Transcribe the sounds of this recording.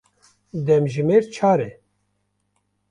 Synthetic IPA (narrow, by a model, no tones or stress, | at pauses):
d̪ɛmʒɨmeːɾt͡ʃʰaːɾɛ